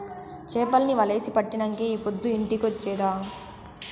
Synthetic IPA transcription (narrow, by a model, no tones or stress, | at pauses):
t͡ʃeːpɐlniʋɐle̞ːsipɐʈːinɐŋkeiːpod̪ːuiɳʈikot͡ʃːɛːd̪aː